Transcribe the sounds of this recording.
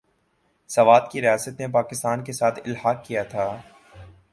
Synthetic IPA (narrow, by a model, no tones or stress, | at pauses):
sɐʋaːd̪kiɾɪjaːsət̪nepaːkɪst̪aːnkesaːt̪ʰɪlɦaːkːijat̪ʰaː